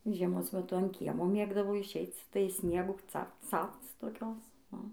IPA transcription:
ʒʲiɛˈmoːs mʲɛˈtʊ ɐn ˈkʲiɛmoː ˈmʲeːɡdɐʋoː ɪʃʲˈɛɪt͡s tɐɪ ˈsʲnʲiɛɡuː ˈt͡sɐpt͡s ˈt͡sɐpt͡s toːˈkʲoːs ʊ

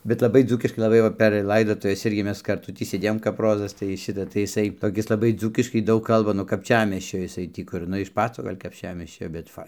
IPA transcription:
bʲɛt lˠɐˈbɐɪ ˈd͡zuːkʲɪʃkɐɪ lˠɐˈbɐɪ ˈʋɐ pʲɛr ˈlˠɐɪdoːtʊʋʲɛs ˈɪrʲɡʲɪ ˈmʲɛs kɐrˈtʊ ˈtʲiː sʲeːˈdʲeːjoːm kɐp ˈroːzɐs tɐɪ ˈʃʲɪtɐ tɐɪ jɪˈsɐɪ toːˈkʲɪs lˠɐˈbɐɪ ˈd͡zuːkʲɪʃkɐɪ ˈdɐʊk ˈkɐlˠbɐ nuɔ kɐpʲˈt͡ʃʲæːmʲiɛsʲt͡ʃʲoː jɪˈsɐɪ tʲiː ˈkʊr ˈnʊ ɪʃ ˈpɑːt͡soː ˈɡɐlʲ kɐpʲˈt͡ʃʲæːmʲiɛsʲt͡ʃʲoː bʲɛt ˈfɐɪ

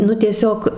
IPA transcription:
ˈnʊ tʲiɛˈsʲoːk

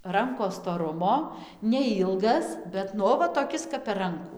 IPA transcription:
ˈrɐŋkoːs stoːˈrʊmoː nʲɛˈɪlˠɡɐs ˈbʲɛt nʊ ˈoː ʋɐ toːˈkʲɪs kɐp pʲɛr ˈrɐŋkuː

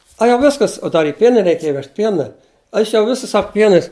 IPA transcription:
ɐ jɛʊ ˈʋʲɪskɐs oː ˈdɐr ɪ ˈpʲiɛnʲɪnʲ rʲɛɪˈkʲeːjɛ ˈʋʲɛʃt ˈpʲiɛnɐ ˈɐʃ jɛʊ ˈʋʲɪsʊs ˈsɐk ˈpʲiɛnɐɪs

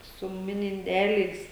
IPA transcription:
sʊ ˈmʲɪnʲɪ ɪnʲˈdʲæːlʲɛɪs

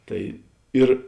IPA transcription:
ˈtɐɪ ˈɪr

